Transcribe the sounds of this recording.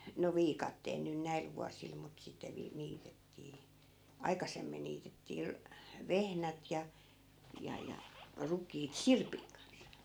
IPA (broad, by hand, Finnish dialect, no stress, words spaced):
no ʋiːkɑtːeːl nyn næil ʋuɑsil mut sitːe ʋiː niːtetːiː ɑikɑsemːin niːtetːiː ru ʋehnæt jɑ jɑ jɑ rukˑiːt sirpiŋ kɑns